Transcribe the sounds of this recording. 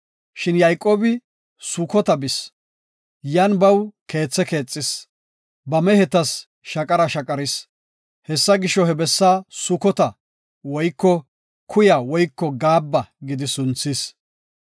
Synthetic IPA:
ʃɪnjɐjkʼo̞ːbɪ | sʊkɔt̪ɐbɪs | janbɐwke̞ːt͡sːɛke̞ːt͡sʼːɪs | bɐmɛhɛt̪ɐs | ʃɐkʼɐɾɐʃɐkʼɐɾɪs | hɛsːɐɡɪʃːɔhɛbɛsːaːsʊkɔt̪ɐ | wɔjkːɔ | kʰʊjawɔjkːɔɡaːbːɐɡɪd̪ɪsʊnt͡sːis

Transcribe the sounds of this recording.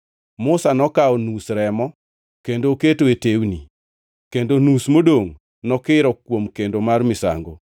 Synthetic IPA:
mʊsanɔkaɔnusɾɛmɔ | kendoːketoetewnḭ | kendonusmodoŋ | nɔkɪɾɔkwomkendomarmɪsa̰ŋɡo̰

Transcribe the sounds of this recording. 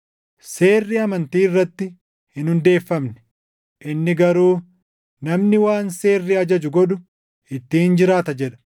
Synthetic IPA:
se̞ːrːiɐmɐnt̪iːɪrːɐt̪ːɪ | hɪnhʊnd̪e̞ːfːɐmnɛ̥ | ʔɪnːɪɡɐɾuː | nɐmnɪwaːnse̞ːrːiɐd͡ʒɐd͡ʒʊɡɔᶑ̪ʊ | ɪt̪ːɪhɪnd͡ʒɪɾaːt̪ɐd͡ʒɛᶑɐ̥

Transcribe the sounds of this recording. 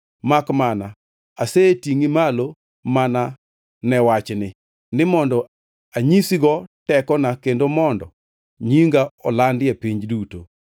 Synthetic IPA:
makmana | asetiŋimalo | mana | nɛwat͡ʃnɪ | nɪmɔndɔ | aɲisiɡɔtɛkɔnakendomɔndɔ̰ | ɲiŋɡaɔlandɪɛpiɲd͡ʒduto

